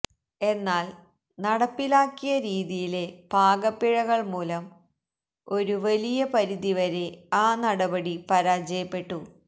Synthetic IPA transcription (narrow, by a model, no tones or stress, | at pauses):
e̞nːaːl | nɐɽɐpːilaːkːijɐɾiːðijile̞b̥ʱaːɡɐpːiɻɐɣɐɭmuːlɐm | o̞ɾuʋɐlijɐpɐɾiðiʋɐɾe̞aːnɐɽɐbɐɽipɐɾaːd͡ʑɐjɐpːe̞ʈːu